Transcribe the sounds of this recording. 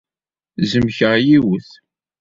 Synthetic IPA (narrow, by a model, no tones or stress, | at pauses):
zəmçəʁjiwəθ